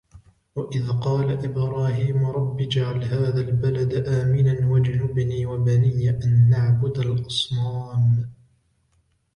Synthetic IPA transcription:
waʔɪðqɑːlaʔɪbɾɑːɦiːmʊɾˤɑbːiːd͡ʒaʕalɦaːðalbalad̪aʔaːmɪnanwad͡ʒʊnʊbniːwabanɪjːaʔanːaʕbʊd̪alʔɑsˤnaːm

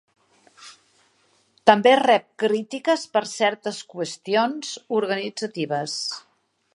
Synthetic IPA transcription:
t̪əmberɛp̚kɾit̪ikəspəɾsɛɾt̪əskwəst̪ionzuɾɣənid͡zət̪iβ̞əs

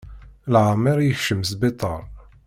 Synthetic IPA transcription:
lʕamːɪɾjəçʃəmsbet̪ˤːə̰ɾˤ

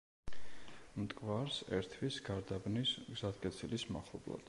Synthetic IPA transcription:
mt̪ʼkʼvaɾsɛɾt̪ʰwisɡaɾd̪abnisɡzat̪̚kʼɛt̪sʰilismaχlˠɔ̰blˠa̰d̪̥

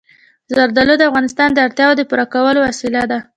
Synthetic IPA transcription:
zaɾd̪alod̪əafɣɑnɪst̪ɑnd̪əaɾt̪jɑwod̪əpuɾakawəlowasɪlad̪a

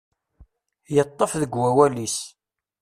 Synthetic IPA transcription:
jət̪ˤːəfðəɡwæwælis

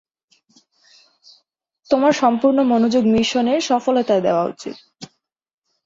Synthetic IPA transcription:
t̪omaɾʃɔmpuɾnomonod͡ʑoɡmiʃoneɾʃɔfolet̪aed̪ḛoaṵt͡ɕḭt̪

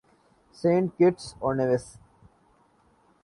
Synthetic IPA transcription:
sẽːɳʈ̚kɪʈsɔːneʋes

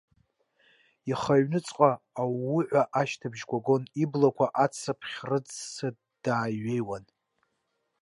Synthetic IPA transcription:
iχaɥnɨt͡sʼqʼaː | wʊʕʷaʔaʃtʰabʒɡʷaɡo̞niblakʷʰaʔat͡sʰapʰχʲrɨd͡zsa | d̥aːɥejwan

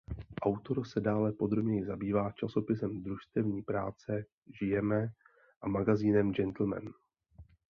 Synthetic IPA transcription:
ʔawt̪o̞ɾsɛdaːlɛpo̞d̪ɾo̞bɲɛjɪzabiːvaːt͡ʃaso̞pɪsɛmd̪ɾuʃst̪ɛvɲiːpɾaːt͡sɛ | ʒɪjɛmɛ | ʔamaɡaziːnɛmd͡ʒɛnt̪l̩mɛ̰n

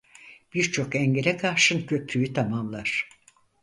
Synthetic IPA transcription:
b̥iɾt͡ʃʰo̞kɛɲɟeɾɛkʰaɾʃɯncʰø̞pʰyyt̪ʰamamlˠaɾ̥

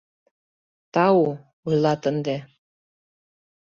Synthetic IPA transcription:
t̪ɑu | ujlˠɑt̪ə̆nd̪e

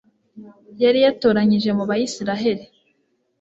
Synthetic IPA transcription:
jaɾijatoːɾaɲiʒe̞muβajisiɾaɦe̞ɾi

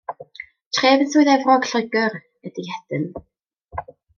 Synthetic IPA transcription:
tʰreːvənsuɨðɛvrɔɡ̥ɬəɡər | ɛd̥ihɛd̥ən

